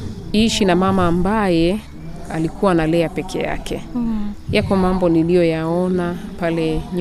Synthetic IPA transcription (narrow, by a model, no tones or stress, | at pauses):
iʃinamamaːmbajɛ | alikuwanalɛapɛkʰɛ̰ja̰kɛ | jakɔmambɔnilijɔjaɔnapalɛɲ